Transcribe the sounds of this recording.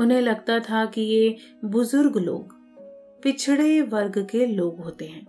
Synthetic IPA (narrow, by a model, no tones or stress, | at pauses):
ʊnɦẽlɐɡt̪at̪ʰakije | bʊzʊɾɡlo̰ːɡ | pɪt͡ʃʰɽeʋɐɾɡkeloːɡɦoːt̪eɦɛ̃ː